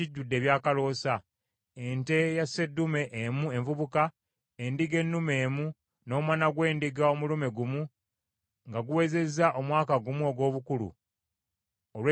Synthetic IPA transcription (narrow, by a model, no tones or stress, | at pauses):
iɟːudːe̞ːβjaːkalo̞sa | e̞nte̞jase̞dːume̞ʔːmue̞ɱvuβuka | endiɡe̞nːume̞ːmu | no̞ːmwanaɡwe̞ːndiɡao̞mulume̞ɡumu | ŋɡaɡuwe̞ːze̞zaʔo̞mwaːkaɡumuo̞ɡwo̞ːβukulṵ | olwe